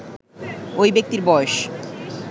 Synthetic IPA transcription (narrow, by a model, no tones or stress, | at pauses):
ojbek̚t̪iɾbɔeʃ